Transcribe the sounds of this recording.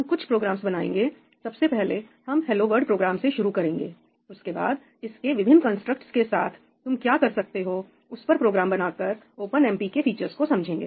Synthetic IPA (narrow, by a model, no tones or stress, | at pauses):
ɦɐmkʊt͡ʃʰpɾoːɡɾaːmsbɐnaːḛ̃ːŋɡeː | sɐbsepɛɦle | hɐmɦɛːloːʋəɾɖpɾoːɡɾaːmseʃʊɾukɐɾẽːŋɡeː | ʊskeba̰ːd̪̚ | ɪskeʋɪbʱɪ̃nːkə̃nsʈɾək̚ʈskesaːt̪ʰ | t̪ʊmkjaːkɐɾsɐk̚t̪eɦoː | ʊspɐɾpɾoːɡɾaːmbɐnaːkɐɾ | oːpənɛ̃ːmpikefiːt͡ʃəɾskosɐ̃md͡ʒʱẽːŋɡḛː